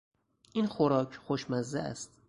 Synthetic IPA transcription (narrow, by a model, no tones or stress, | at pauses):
ʔinxoɾɒːcʰxoʃmæzæʔæ̰st̪